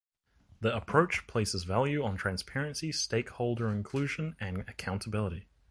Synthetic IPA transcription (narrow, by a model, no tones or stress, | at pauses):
ðiəpʰɹ̥oʊt͡ʃpʰl̥eɪsəzvælˠjʉə̃ntʰɹ̥æ̃nspʰɛɹɨ̃nsisteɪkhoʊlˠdə˞ɨ̃nkʰl̥ʉʒɨ̃nɨ̃nɨkʰãʊ̃ntʰəbɪlˠəɾi